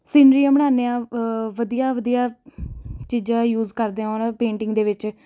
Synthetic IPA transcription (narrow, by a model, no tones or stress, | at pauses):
siːnɾiːãːməɽ̃aːneãːʋəd̪ijaːʋəd̪ijaː | t͡ʃiːd͡ʒãːjuːzkəɾd̪eãːonapẽːɳʈɪŋɡd̪eːʋɪt͡ʃ